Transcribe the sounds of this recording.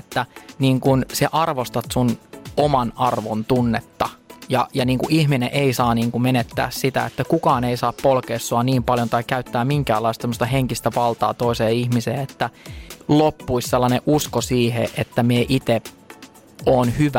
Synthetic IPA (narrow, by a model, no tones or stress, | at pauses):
et̪ːæniːŋkunseʔɑrʋost̪ɑt̪sunomɑnɑrʋont̪unːet̪ːɑjɑ̰jɑniːŋkuʔihminḛʔeisɑːniːŋkumenet̪ːæ̰ːssit̪æ̰et̪ːækukɑːneisɑːppolkeːsːoɑniːmpɑljont̪ɑikkæyt̪ːæːmiŋkæ̰ːlːɑist̪semːost̪ɑɦeŋkist̪æʋɑlt̪ɑ̰ːt̪oiseːihmiseːet̪ːælopːuisselːɑneʔuskosiːhḛʔet̪ːæmieʔit̪e | oːnhyʋæ